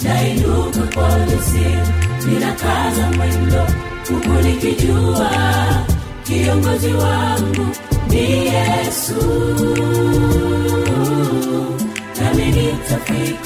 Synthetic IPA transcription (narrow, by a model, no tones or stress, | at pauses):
dainukukɔlɛsininakazamwɛndɔ | kukunikid͡ʒua | kiɔŋɡɔziwaŋɡundijɛsu | nanɛnitafi